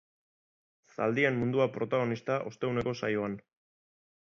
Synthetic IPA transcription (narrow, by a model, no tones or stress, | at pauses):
sa̰ld̪iemmund̪uapɾo̞t̪aɣ̞o̞nist̪aʔo̞st̪e̞une̞ko̞sajoan